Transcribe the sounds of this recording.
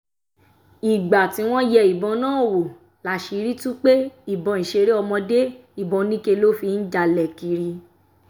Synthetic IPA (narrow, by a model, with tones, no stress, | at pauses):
i˨ɡ͡ba˨tĩ˨˧˦w̃ɔ̃˦jɛ˧˦i˨bɔ̃˧nãː˦o˨wo˨ | la˨ʃi˨˧˦ɾi˦tũ˦k͡pe˦i˦˨bɔ̃˨˧˨ĩ˨ʃe˧ɾe˦ɔ˧mɔ̃˧de˦i˦˨bɔ̃˧nĩ˦ke˧lo˦fi˧n̩˦d͡ʒa˧lɛ˨ki˨˧ɾi˧